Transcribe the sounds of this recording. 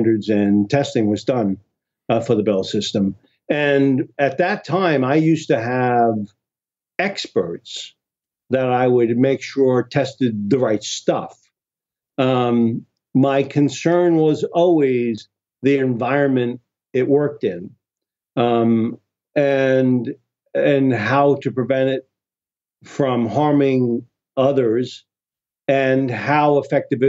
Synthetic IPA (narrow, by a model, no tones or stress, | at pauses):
ndə˞dzɨ̃ntʰɛstɪ̃ŋwʌzdʌ̃n | fə˞ðɨbɛlˠsɪstə̃m | ɨ̃nɨt̪̚ðɨtʰãɪ̃maɪjʉstɨv | ɛkspə˞ts | ðɨɾaɪwɨd̚meɪkʃʊɹtʰɛstɨd̪̚ðɨɹaɪtstʌf | maɪkʰɨ̃nsɜ̃˞nwʌzɔlˠwiz | ðiɨ̃ɱvaɪɹɨ̃nmɨ̃nt | ɪt̚wɜ˞k̚tɪ̃n | ɨ̃n | ɨ̃nɦaʊɾɨpɹ̥ɨvɛ̃ɾ̃ɪt̚ | fɹʌ̃mhɑɹmɪ̃ŋ | ʌðə˞z | ɨ̃nhaʊəfɛk̚tɨvɨ